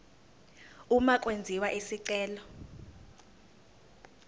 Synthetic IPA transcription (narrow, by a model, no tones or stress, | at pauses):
umak̬ʼwend͡zʱiwaʔisiǀɛːlɔ